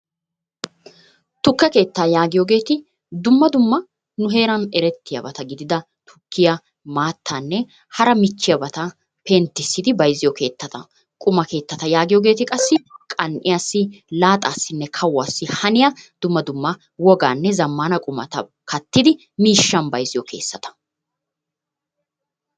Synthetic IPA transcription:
t̪ʊkːɛke̞ːt̪ːaːjaːɡɪjoːɡe̞ːt̪ɪ | d̪ʊmːɐd̪ʊmːɐ | nʊɦe̞ːɾɐnɛɾɛt̪ʰːɪjɐ̰bɐt̪ɐɡɪd̪ɪd̪ɐ | t̪ʰʊ̥kːɪjɐ | maːt̪ʰːaːnːɛ | hɐɾɐmɪt͡ʃːɪjɐbɐt̪ɐ | pɛnt̪ːɪsːɪd̪ɪbɐjzɪjɔke̞ːt̪ːɐt̪ɐ | kʼʊmɐke̞ːt̪ːɐt̪ɐjaːɡɪjɔɡe̞ːt̪ɪkʼɐsːɪkʼɐnʔɪ̰jaːsːɪlaːt̪ʼaːsːɪnːɛkʰɐwːaːsːɪhɐnɪjɐd̪̥ʊmːɐd̪ʊmːɐ | wɔɡaːnːɛzɐmːaːnɐkʼʊmɐ̰t̪ɐ | kʰɐt̪ːɪd̪ɪ | miːʃːɐnbɐjzɪjɔkʰeːsːɐt̪ɐ̥

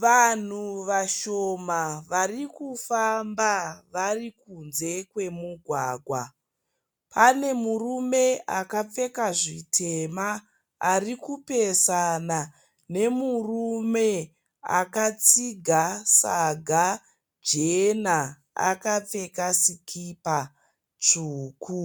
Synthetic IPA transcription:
ʋan̤uʋaʃomaʋarikufambaʋarikunze̞kwe̞muɡʱwaːɡʱwa | pʰane̞murume̞akap͡fe̞kaʐitʰe̞ma | arikupesana | ne̞murume̞ | a̰kat͡siɡʱasaɡʱa | d͡ʒena | a̰kap͡fe̞kasikʰipa | t͡ʂuːkʰu

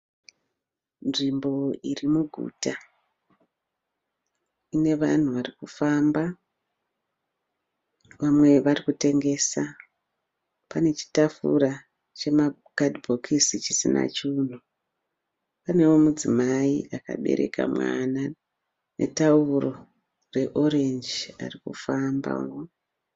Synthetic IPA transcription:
nʐimbo̞irimuɡʱṵːta | ine̞ʋa̰n̤uʋarikufamba | ʋamwe̞ʋarikute̞ŋɡe̞ːsa | pane̞t͡ʃi̥tafṵra | t͡ʃe̞ma | ɡ̥ʱadbʱokʰisit͡ʃisina̰t͡ʃuːn̤u | pane̞womud͡zimaiʔaka̰ɓe̞̰ɾʔe̞̰ka̰mwana | ne̞̰tauro̞ | re̞ʔo̞ɾe̞nd͡ʒa̰rikṵfamba̰wo

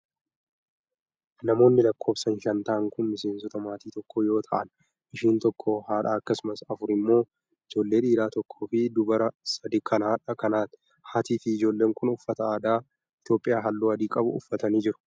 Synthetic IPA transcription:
nɐmo̞ːnːɪlɐkʰːo̞ːbsɐnʃɐnt̪aːŋkʊnmɪse̞ːnsɔt̪ɐmaːt̪iːt̪ɔkːoːjo̞ːt̪ʰɐ̰ʔɐ̰n | ɪʃiːnt̪ɔkʰːohaːᶑaːɐkːɐsʊmɐsɐfʊɾɪmːo̞ː | ɪd͡ʒo̞ːlːe̞ːᶑiːɾaːt̪ɔkʰːoːfɪd̪ʊbɐɾɐsɐd̪ɪkʰɐnaːᶑɐkɐnaːt̪ɪ̥ | haːt̪iːfɪɪd͡ʒo̞ːlːeːŋkʊnʊfːɐt̪ɐaːd̪aː | ɪt̪jo̞ːpʼɪjaːɦɐlːuːɐd̪iːkʼɐbʊ̰ʊ̰fːɐt̪ɐniːd͡ʒɪɾʊ̥

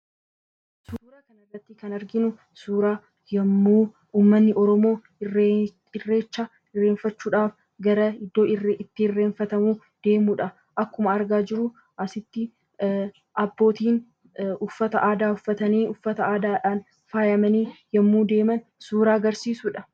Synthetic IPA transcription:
suuːɾaːkɐnɐrːɐt̪ːɪkɐnɐɾɡɪnʊ | suːɾaː | jɐmːuː | uːmːɐnːɪʔɔɾɔmo̞ː | ɪrːe̞ːt͡ʃːɐ | ɪrːeːnfɐt͡ʃːuːᶑaːf | ɡɐɾɐɪd̪ːo̞ːɪrʔɪt̪ːɪɪrːe̞ːnfɐt̪ɐmuː | d̪̥e̞ːmuːᶑɐ | ʔɐkːʊmɐɐɾɡaːd͡ʒɪɾʊ | ʔɐsɪt̪ːɪ | ʔɐbːo̞ːt̪iːn | ʊfːɐt̪ɐʔaːd̪aːʊfːɐt̪ɐniːʊfːɐt̪ɐaːd̪aːᶑaːn | faːjɐmɐniːjɐmːuːd̪e̞ːmɐn | suːɾaːɡɐɾsiːsʊᶑɐ

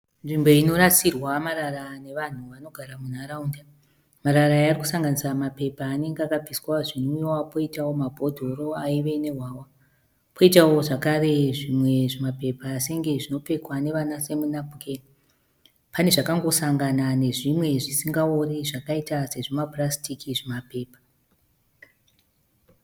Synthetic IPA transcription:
nʐimbo̞ino̞ɾasirwamaɾarane̞ʋan̤uʋano̞ɡʱaɾamunaɾaunda | maɾarajariku̥saŋɡanisamape̞paːne̞ŋɡeakab͡vʱiswaʐinojwapo̞itawo̞mabʱo̞dʱo̞ro̞aiʋe̞ne̞ɦwaːwa | pʰo̞itawo̞ʐakare̞ʐimwe̞ʐemape̞pase̞ŋɡe̞ʐino̞pe̞kwane̞ʋanase̞munabʱuken | pane̞ʐakaŋɡo̞saŋɡanane̞ʐimwe̞ʐisiŋɡaoriʐakaitase̞ʐomaprastikiʐemape̞ːpḁ

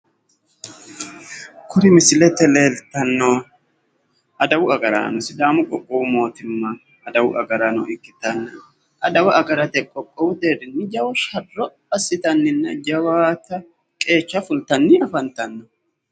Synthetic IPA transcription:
kʊɾɪmɪsɪlɛt̪ːɛle̞ːlt̪ɐnːo | ʔɐd̪ɐwʊɐɡɐɾa̰ːnɔsɪd̪aːmʊkʼɔkʼːɔwʊmo̞ːt̪ɪmːɐː | d̪ɐwʊ̰ʔɐɡɐɾaːnɔ̰ɪkːɪt̪ɐnːɐ | ʔɐd̪ɐwɐʔɐɡɐɾɐt̪ɛkʼɔkʼːɔwʊd̪eːd̪ɪnːɪd͡ʒɐwʊʃɐdːɔ | ɐsːɪt̪ɐnːɪnːɐd͡ʒɐwaːt̪ɐ | kʼe̞ːt͡ʃːɐfʊlt̪ɐnːɪɐfɐnt̪ɐnːɔ

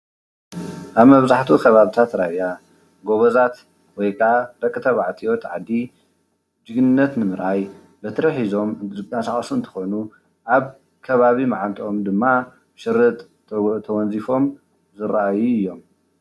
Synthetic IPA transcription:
ʔaβmɐβzaħt̪ʰukʰɐβaβit̪ʰat̪ɾaβja | ɡoβɐzat̪ | wɔjkʰaʕabɐkʼːɨt̪ʰɐβaʕt̪ʰiot̪ʕa̰d̪ːi | d͡ʒɨɡnɨnːɐt̪nɨmɨɾʔaj | bɐt̪ʰɨɾɐħizo̞mɨasaχʼsuɨnt̪ʰɨ̥xo̞nu | ʔaβ | kʰɐβaβimaʕant̪ʼʔo̞md̪ɨmːa | bʃɨrɨt̪ʼ | t̪ʰɐwɔnzifo̞m | zɨɾaʔajuɨjːo̞m

